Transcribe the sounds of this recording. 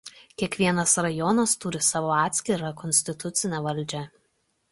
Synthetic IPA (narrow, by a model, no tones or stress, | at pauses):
kʲiɛkʋʲiɛnɐsɾɐjɔnɐst̪ʊɾʲɪsɑːʋoːɑːt̪ʲsʲkʲɪɾɐkɔnʲsʲt̪ʲɪt̪ʊt̪sʲɪnʲɛʋɐlʲˑd͡ʒʲɛ